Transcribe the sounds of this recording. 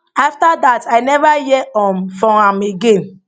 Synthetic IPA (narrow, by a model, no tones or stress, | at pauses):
aftadataɪnɛvajɛɔ̃mfɔ̃ãmeɡẽn